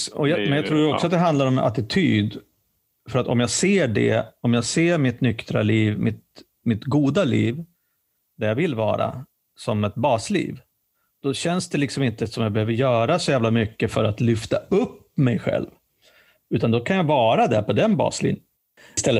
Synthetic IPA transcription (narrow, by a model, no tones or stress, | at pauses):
ɔjɑmɛnjɑt̪ʰɾuːɾɔksɔat̪̚d̪ɛɦand̪laɾɔmɛa̰t̪ɪt̪ʰyːd̪ | fœɾat̪ɔ̰mjaɡseːɖɛ̰ɔmjaːɡseːɾmɪt̪nʏkt̪ɾa̰liːvmɪt̪ | mɪt̪ɡuːd̪alḭːv | d̪ɛjaːvɪlvɑ̰ːɾa̰ | sɔmɛt̪̚bɑːslḭːv | d̪̥ɔɕɛnsd̪ɛlɪksɔmɪnt̪əsɔmjaːbɛhøːvəɾjœːɾasɔjæːvlamʏkːəfœɾat̪lʏft̪aɵpːmɛjɧɛ̰lv | ʉ̟ːt̪and̪ɔkʰanjaɡvɑːɾad̪ɛɾpʰɔd̪ɛnbɑ̰ːslḭːn | st̪ɛlːə